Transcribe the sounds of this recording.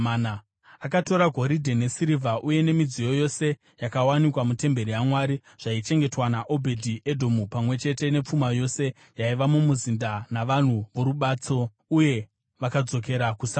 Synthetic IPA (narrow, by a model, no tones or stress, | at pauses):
na | akato̞ɾaɡʱo̞ɾidʱene̞siɾivʱaʔuje̞ne̞mid͡zijo̞jo̞se̞ | jakawanikwamute̞mbe̞ɾijamwaɾi | ʐ̥ait͡ʃe̞ŋɡe̞twanaʔo̞bʱe̞dʱiʔe̞dʱo̞mupamwe̞t͡ʃe̞te̞ne̞p͡fumajo̞se̞ | jaiʋamumuzindanaʋan̤uʋoɾuɓat͡so̞ | uje̞ | ʋakad͡zo̞k̬e̞ɾakusa